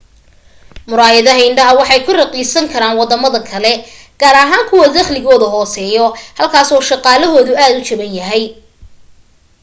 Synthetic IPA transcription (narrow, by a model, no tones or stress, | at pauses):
mʊɾaːjɐðɐɦɐɪɳɖɐɦɐwɑħɑjkʰʊrɐqiːsɐŋkʰɐɾaːnwɑd̪ɐmɐðɐkʰɐlɛ | ɡ̥aːɾɐɦaːŋkʰʊwɐd̪ɐχlɪɣɔːðɐɦɔːsɛːjɔhɐlkʰaːsɔːʃɑqɑːlɐɦɔːðʊʔaːd̪ʊt͡ʃɐβɐnjɐɦɛj